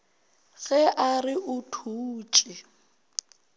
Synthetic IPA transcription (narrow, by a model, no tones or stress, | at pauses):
ɣɛʔarɪʔʊtʰuːt͡ʃʼɪ